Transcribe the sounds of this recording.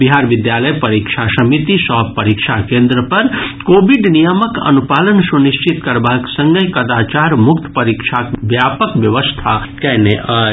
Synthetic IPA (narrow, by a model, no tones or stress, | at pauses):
biɦaːɾʋɪd̪jaːləjpɐɾikʃʰasɐmit̪isɔɦbpːɐɾikʃʰakẽːnd̪ɾəpɐɾkoːbiɖnijəməkɐ̰nupaːlənsuniʃt͡ʃit̪kɐɾbaːksɐ̃ŋɡəjkɐd̪aːt͡ʃaːɾmʊkt̪pɐɾikʃʰakʋjaːpəkʋjɐʋəst̪ʰakɛɦneʔaː